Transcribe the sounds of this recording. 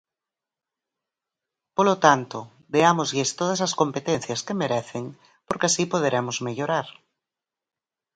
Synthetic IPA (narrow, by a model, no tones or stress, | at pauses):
polot̪ant̪o | d̪eamozʎest̪oð̞asaskompet̪en̟θjaskemeɾɛθeŋ | poɾkeasipoð̞eɾʔemozmeʎoɾaɾ